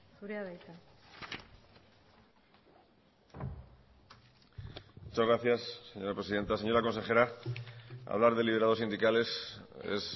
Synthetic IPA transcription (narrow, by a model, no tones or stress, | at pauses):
θuɾeaβejt̪a | mut͡ʃazɣɾaθjasːe̞ɲo̞ɾapɾe̞siðe̞nt̪ase̞ɲo̞ɾako̞nse̞xe̞ɾa | a̰βlaɾðeliβ̞eɾaðo̞sĩnd̪ikale̞sḛs